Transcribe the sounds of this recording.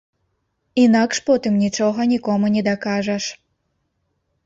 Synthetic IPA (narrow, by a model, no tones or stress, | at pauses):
inakʂpɔt̪ɨmnʲit͡ʂɔɣɐnʲikɔmunʲɛd̪akaʐɐʂ